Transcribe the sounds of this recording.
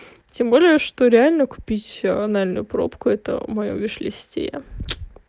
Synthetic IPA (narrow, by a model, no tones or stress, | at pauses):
tʲembolʲɪjəʂt̪o̞ɾʲɪalʲnəkʊ̥pʲitʲɐnalʲnʊ̰jʊpɾo̞̰pkʊɛt̪ə̰mɐjo̰vʲɪʂlʲɪsʲtʲḛjə̰